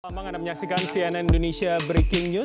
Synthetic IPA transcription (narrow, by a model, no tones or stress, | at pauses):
amaŋanaməɲaksikansiɛnɛnindonesiabɾekɪŋɲu